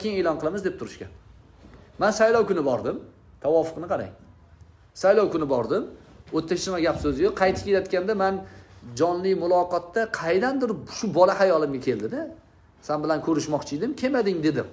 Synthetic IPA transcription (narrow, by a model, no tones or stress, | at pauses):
kʲeŋelɒnqʰɨlˠamɪzd̪e̞p̚t̪ʰʊɾɪʃkʲa̰n | mansajlɒwkʰʊnɪbɒɾd̪ɪm | t̪ʰawɒfʊ̥qnɨqʰɑɾa̰j | sajlˠɒwkʊnɪbɒɾd̪ɪmot̪ʰːakʲsɪmaɡʲapsɵzjoqʰɑjt̪ʰɪ̥pʲkʲeljat̪kʲand̪amand͡ʒɒnlɪmʊlˠɒqɒt̪ːaqʰɑjd̪and̪ɪɾʃʊbɒlahajɒlˠɪmɡʲakʲʰe̞ld̪ɪd̪ɪ | sanbɪlankʰɵɾɪʃmɒqt͡ʃʰɪjd̪ɪmkʲʰe̞mad̪ɪŋd̪e̞d̪ɪm